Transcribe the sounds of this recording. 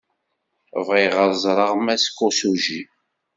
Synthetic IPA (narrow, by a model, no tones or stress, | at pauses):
vʁiʁəɾˤzˤɾˤəʁmæskːosuʒi